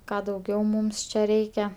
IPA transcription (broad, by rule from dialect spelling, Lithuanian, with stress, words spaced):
ˈkɑː dɐʊˈɡʲɛʊ ˈmuːms t͡ʃʲɛ ˈrʲɛɪkʲɛ